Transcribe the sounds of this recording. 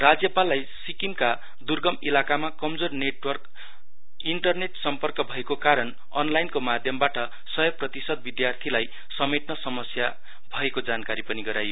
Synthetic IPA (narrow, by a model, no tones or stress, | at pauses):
rad͡zjʌpalːajsikimka | d̪urɡʌmilakamakʌmd͡zorneʈwʌrk | iɳʈʌrneʈsʌmpʌrkʌbʱʌekokaɾʌn | ʌ̰nlajnkomad̪ʱjʌmbaʈʌ | sʌjʌprʌt̪isʌd̪̚bid̪jart̪ʰilaj | sʌmeʈnʌsʌmʌsja | bʱʌekod͡zankaɾipʌniɡʌɾajo